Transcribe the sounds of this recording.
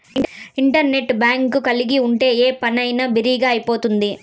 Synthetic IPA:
iɳʈɐɾne̞ʈbaːŋkukɐliɡiuɳʈe̞ːeːpɐnɐjnabiɾiːɡaːɐjipo̞ːt̪und̪i

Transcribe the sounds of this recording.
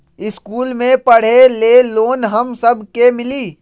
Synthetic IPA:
ɪskuːlmẽpəɽ̤eleːloːnɦəmsəbʱkemɪliː

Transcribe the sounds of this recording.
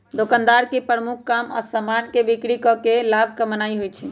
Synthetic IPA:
d̪okand̪aɾkepɾəmukʰːama̰səmankebikɾikɔkelab̚ʱkəmənaiɦojt͡ʃʰɛ

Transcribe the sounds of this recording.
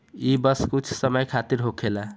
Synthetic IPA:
ibəskut͡ʃʰsəməjkʰat̪iɾɦokʰela

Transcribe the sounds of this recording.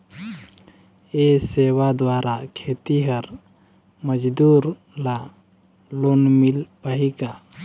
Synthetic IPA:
eseːwad̪waːɾʔakʰeːt̪iɦəɾ | məd͡ʒd̪uːɾ | la | loːnmɪlpaɦika

